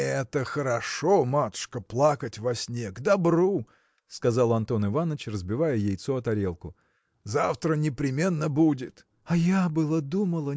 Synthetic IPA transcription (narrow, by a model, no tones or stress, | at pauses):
ɛt̪əxəɾɐʂomat̪ʊ̥ʂkəplˠakətʲvɐsʲnʲe̞kd̪ɐbɾu | skɐzɑlˠɐnt̪o̞nɨvanːət͡ɕrəzbʲɪvajəjejt̪soɐt̪ɐɾʲe̞lˠkʊ | zaft̪ɾənʲɪpɾʲɪmʲe̞nːəbudʲɪt̪ | ɐjabɨlˠəd̪uməlˠə